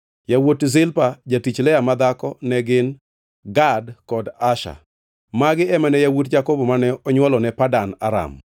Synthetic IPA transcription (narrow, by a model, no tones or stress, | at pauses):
jawotzɪlpad͡ʒatit͡ʃlɛjamad̪akɔnɛɡɪn | ɡadkɔdaʃa̰ | maɡɪɛmanɛjawotd͡ʒakɔbɔmanɛɔɲwɔlɔnɛpadanaɾa̰m